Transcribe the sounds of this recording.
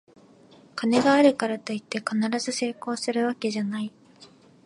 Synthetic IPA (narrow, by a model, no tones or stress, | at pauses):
kʰane̞ɡaːɾɯ̟kaɾat̪o̞it̪ːe̞kanaɾazɨse̞ːko̞ːsɨɾɯ̟β̞ake̞ʑanai